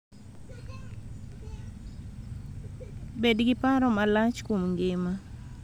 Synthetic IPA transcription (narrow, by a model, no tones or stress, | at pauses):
bedɡɪpaɾɔmalat͡ʃkwomŋɡɪma